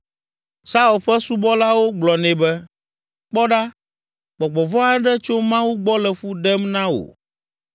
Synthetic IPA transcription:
sa˦u˨lɸɛ˦su˦bɔ˦la˦wo˦ɡ͡blɔ˨nɛ̃˨bɛ˦ | k͡pɔ˦ɖa˦ | k͡pɔ˨ɡ͡bɔ˨vɔ˦a˦ɖɛ˦t͡ʃo˦mã˦wu˦ɡ͡bɔ˦lɛ˨fu˦ɖɛ˦mnã˦o̰˨

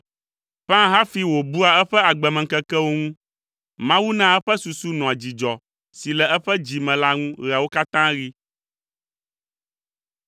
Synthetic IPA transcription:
pã˦ɦa˦fi˦wo˨bu˦a˨ɛ˦ɸɛ˦a˨ɡ͡bɛ˨mɛ̃˨kɛ˦kɛ˦wo˦ŋũ˦ | mã˦wu˦nã˦ɛ˦ɸɛ˦su˨su˦nɔ̃˨a˨d͡ʑi˨d͡ʒɔ˨ | si˨lɛ˨ɛ˦ɸɛ˦d͡ʑi˨mɛ̃˨la˦ŋũ˦ɾa˨wo˦ka˦t̪ã˦ɾi˦

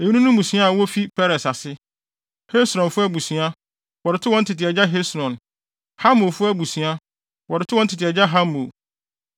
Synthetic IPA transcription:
e˨jĩ˦nũ˦nũ˦mũ˨si˦a˦a˨wɔ˦fi˦pʰɛ˦ɾɛ˨sa˨sɪ˦ | he˦sɾɔ̃˨nfʊ˦æ˦bu˨sĩ˨a˦ | wɔ˨ɾɪ˨tʰʊ˦wɔ̃˦n̩˦tʰɪ˨t̬ɪ˨ɛ˨d͡ʑa˦ɦe˦sɾɔ̃˨n | ha˦mõ˨fʊ˦æ˦bu˨sĩ˨a˦ | wɔ˨ɾɪ˨tʰʊ˦wɔ̃˦n̩˦tʰɪ˨tɪ˨ɛ˨d͡ʑa˦ɦa˦mo˨

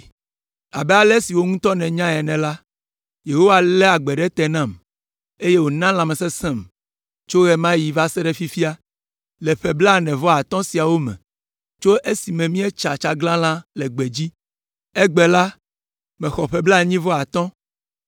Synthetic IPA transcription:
a˨bɛ˦a˨lɛ˦si˨wo˦ŋũ˦t̪ɔ˦nɛ̃˨ɲã˦ɛ˨nɛ̃˨la˦ | je˨ɦo˦wa˨lɛ˦a˨ɡ͡bɛ˨ɖɛ˦t̪ɛ˨nã˦˨m | e˦je˦wo˨nã˦l̃ã˨mɛ˨sɛ˦sɛ̃˦m | t͡ʃo˦ɣɛ˦mã˦ji˨va˦sɛ˦ɖɛ˦fi˦fi˦a˦ | lɛ˨ɸɛ˨bla˦˨nɛ̃˨vɔ˦a˨t̪ɔ̃˦si˨a˨wo˦mɛ̰̃˨ | t͡ʃo˦ʔe˦si˨mɛ̃˨mĩ˦ɛ˦t͡ʃa˨t͡ʃa˨ɡlã˦lã˦lɛ˨ɡ͡bɛ˨d͡ʑi˦ | ɛ˦ɡ͡bɛ˨la˦ | mɛ̃˨xɔ˨ɸɛ˦bla˦˨ɲĩ˦vɔ˦a˨t̪ɔ̃˦

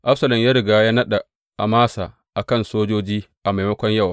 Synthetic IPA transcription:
ʔa˦ɸsɐ˨lɐ˨mjaː˦ɾɪ˨ɡaː˦jaː˦nɐ˦ɗa˨ | ʔa˨maː˦saː˨ | ʔa˨kɐ˦˨nsoː˦d͡ʒoː˦d͡ʒiː˦ʔa˨ma˨jmɐ˦kʷɔ˦ɲjɐ˦˨w

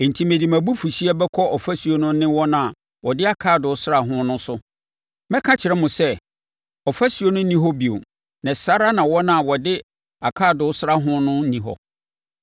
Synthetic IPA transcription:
n̩˨tʰĩ˨mẽ˨di˨mæ̃˨bu˦fu˨ɕi˦a˦bɛ˦kʰɔ˦ɔ˨fæ˦sɥo˦nʊ̃˦nɪ̃˦wɔ˦nã˨ | wɔ˨dɪ˦a˨kʰaː˦˨dʊ˨˦sɾa˨ɦʊ̃˦nʊ̃˦sʊ˦ | mɛ̃˦kʰã˦t͡ɕʰɪ˨ɾɛ˦mʊ̃˨sɛ˦ | ɔ˨fæ˦sɥo˦nʊ̃˦nĩ˦ɦɔ˦bi˨o̰˨ | nã˨sa˦ɾa˦nã˨wɔ˦nã˨wɔ˨dɪ˦ | a˨kʰaː˦˨dʊ˨˦sɾa˦ɦʊ̃˦nʊ̃˦nĩ˨ɦɔ̰˨

